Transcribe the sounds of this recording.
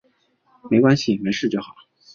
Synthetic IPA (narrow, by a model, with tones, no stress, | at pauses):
me˧˥ɪkwa˥nɕi˨˩me˧˥ʂɻ̩˥˧t͡ɕjo˥˩ʊxɑ˨˩˦